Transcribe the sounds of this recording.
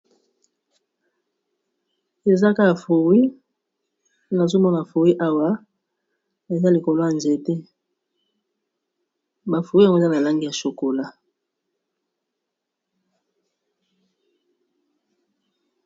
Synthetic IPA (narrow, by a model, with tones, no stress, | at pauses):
e˨za˦ka˦a˨fo˨wi˦ | na˨zo˦mɔ˦na˨fo˨wi˦ʔa˦wa˦ | e˨za˦li˨ko˨lo˦ja˨nze˨te˦ | ba˨fo˨wi˦ja˨ŋɡo˦˨za˦na˨la˦ŋɡi˦ja˨ʃo˨ko˨la˦